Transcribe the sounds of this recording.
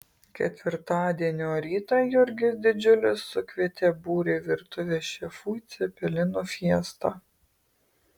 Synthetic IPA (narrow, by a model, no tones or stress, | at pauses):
kʲɛ̰t̪ʲʋʲɪɾt̪ɑːd̪ʲiɛnʲoːɾʲiːt̪ɑjʊɾʲɡʲɪd̪ʲɪd͡ʒʲʊlʲɪsːʊkʋʲiɛt̪ʲɛbuːɾʲeːʋʲɪɾt̪ʊʋʲeːʃʲɛfuːt̪sʲɛpʲɛlʲɪnufʲiɛst̪ɑː